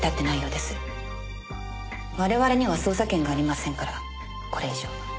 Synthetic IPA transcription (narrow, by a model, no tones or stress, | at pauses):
t̪at̪ːe̞naijo̞ːd̪e̞sɨ̥ | βaɾe̞βaɾe̞ɲ̟iβaso̞ːsakẽŋɡaːɾʲimasẽ̞ŋkaɾa | ko̞ɾe̞iʑo